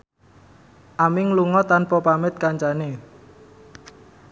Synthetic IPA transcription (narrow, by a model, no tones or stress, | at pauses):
ʔamɪŋluŋɔt̪anpɔpamɪt̪̚kaɲt͡ʃane